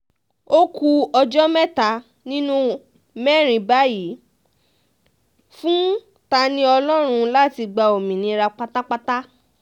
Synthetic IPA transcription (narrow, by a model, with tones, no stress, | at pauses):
o˦ku˧ɔ˧d͡ʒɔ˦mɛ˦ta˧˦ | nĩ˦nũ˦ | mɛ˦˨ɾ̃ĩ˨˧ba˨˦ji˨˦ | fũ˦ | ta˧nĩ˦ɔ˧lɔ˦ɾ̃ũ˧la˦ti˧ɡ͡ba˧o˨mĩ˨nĩ˧˦˧ɾa˧k͡pa˦ta˦k͡pa˦ta˦